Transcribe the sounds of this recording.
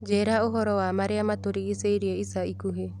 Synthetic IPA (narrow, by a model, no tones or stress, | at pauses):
d͡ʒeɾaoɦɔɾɔamaɾeamat̪oɾiːseiɾieisaikuɦe